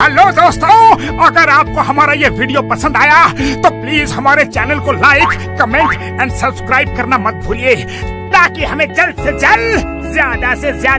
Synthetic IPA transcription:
ɦɛlod̪oːst̪o | ɐɡəɾaːp̚koɦɐmaːɾajeʋiːɖijopɐsə̃nd̪aːjat̪opliːzɦɐmaːɾet͡ʃɛːnəlkolaːɪkːɐmẽːɳʈ | ɛ̃ːɳɖsɐbskɾaːɪb̚kɐɾnamɐt̪̚bʱuːɾieː | t̪aːkiɦɐmẽd͡ʒɐlsed͡ʒɐl | zjaːd̪asezjaː

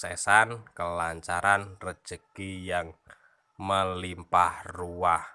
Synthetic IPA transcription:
sesankəlaɲt͡ʃaɾanrə̥ʒ̥əkijaŋ | məlimpahruwah

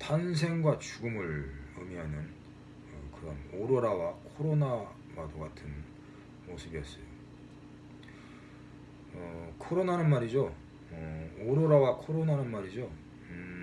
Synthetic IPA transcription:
tans̬ʰe̞ŋɡwat͡ɕuɡɯmɯɾɯmiɦanɯn | ʌkɯɾʌnoɾoɾawakʰoɾona | wadoɡatʰɯn | mosʰɯbiʌs͈ʌjo | ʌkʰoɾonanɯnmaɾid͡ʑo | ʌoɾoɾawakʰoɾonanɯnmaɾid͡ʑo

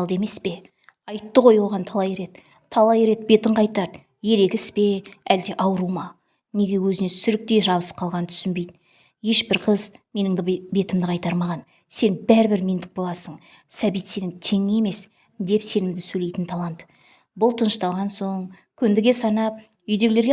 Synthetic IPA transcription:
lˠd̪e̞me̞spe̞ | ɑjt̪ːəʁo̞jwo̞ʁɑnt̪ʰɑlˠɑje̞ɾe̞t̪ | t̪ʰːɑlˠɑje̞ɾe̞t̪̚be̞t̪ɪɴqʰɑjt̪ɑɾ | je̞ɾe̞kʲɪspe̞æld̪e̞ʔɑwɾumɑ | ne̞ɡʲe̞wɵzɪne̞sʏɾɪk̚t̪e̞ʒɑβəsqʰɑlˠʁɑnənt̪ʰʏ̥sɪnbejd̪ɪ | je̞ʃbɪɾqʰəzme̞nɪŋd̪ɪbe̞t̪ɪmd̪ɪqʰɑjt̪ɑɾmɑʁɑn | se̞nbæɾɪbɪɾme̞nd̪ɪk̚bo̞lˠɑsəɴ | sæbijt̪se̞nɪŋt̪ʰe̞ŋe̞me̞s | d̪e̞pse̞nɪmd̪ɪsɵle̞jt̪ɪnt̪ʰɑlˠɑnt̪ | bʊlˠt̪ʰənəʃt̪ɑlˠʁɑnso̞ɴ | kʲʰʏnd̪ɪɡʲe̞sɑnɑp̚ | ʏjd̪e̞ɡʲɪleɾɡʲe

